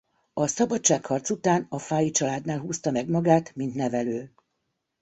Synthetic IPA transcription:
ɒsɒbɒtt͡ʃːaːkhɒrt̪sut̪aːnɒfaːjit͡ʃɒlaːd̪naːlɦuːst̪ɒmɛɡmɒɡaːt̪mint̪nɛvɛløː

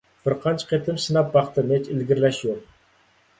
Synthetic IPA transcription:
b̥ɨɾqʰɑnt͡ʃʰqʰet̪ʰɪmsɨnɑp̚bɑχt̪ɨnɛt͡ʃɪlɡʲiɾlɛʃjoq̚

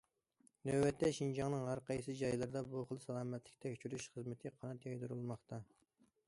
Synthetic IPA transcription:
nɛwbɛt̪ʰːɛʃind͡ʒɑŋnɨŋɦɑɾqɑisɨd͡ʒɑjlˠɨɾd̪ɑbuχəlˠsɑlˠɑːmɛt̪lɪkʲt̪ʰɛkʲt͡ʃʰyɾyʃχəzmɪt̪ʰɪqʰɑnɛt̪jɑjd̪uɾulˠmɑχt̪ʰɑ

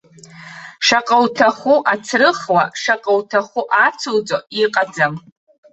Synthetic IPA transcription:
ʂaqʼawtʰaχuʔat͡sʰrɨχwaʂaqʼawtʰaχʷuʔat͡sʰowd͡zʼoiqʼad͡zam

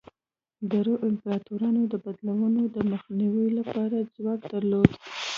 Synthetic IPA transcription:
d̪aɾoʔɪmpɾɑt̪uɾɑnod̪əbad̪lawənod̪əməxniwilapɑɾad͡zwɑk̚d̪aɾlod̪

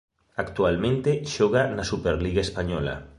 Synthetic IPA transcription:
akt̪ualmẽnt̪eʃɔɣ̞anasupeɾliɣaespaɲɔla̰

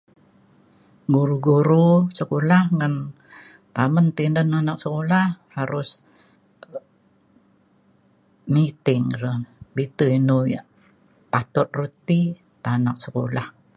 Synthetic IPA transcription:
ɡuɾuɡuɾusəkolahŋan | t̪amənt̪indənanak̚səkolahhaɾʊs | mit̪ɪŋɾəhbit̪uinuja̰ʔ | pat̪ɔt̪̚rut̪i | t̪anak̚səko̰lah

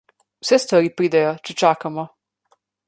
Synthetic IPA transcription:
usɛst̪ʋaɾipɾid̪ajot͡ʃɛt͡ʃakamɔ

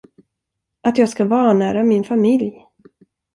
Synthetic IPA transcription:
ʔat̪jɑːɡskavɑːnæːɾamɪnfamɪlj

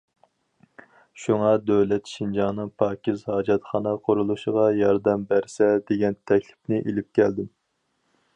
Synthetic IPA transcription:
ʃuŋɑd̪øwlɛt̪ʃind͡ʒɑŋnɨŋpʰɑːkʲizhɑːd͡ʒɛt̪χɑnɑqʰoɾulˠuʃəʁɑjɑɾd̪ɛmbæɾsɛd̪eɡʲɛnt̪ʰɛkʲlɪ̥pnɪʔelɪp̚kʲɛld̪ɪm

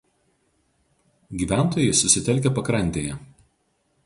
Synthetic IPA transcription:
ɡʲiːˑʋʲæˑnˑt̪oːjɛɪsʊsʲɪt̪ʲɛlʲkʲɛpɐkɾɐnʲt̪ʲeːjɛ

